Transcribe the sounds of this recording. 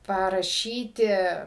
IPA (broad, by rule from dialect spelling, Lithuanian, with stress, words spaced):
pɐrɐˈʃʲiːtʲɪ